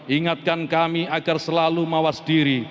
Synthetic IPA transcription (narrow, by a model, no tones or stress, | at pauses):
ʔiŋat̪̚kankamiaɡ̥arsəlalumawasd̥iɾi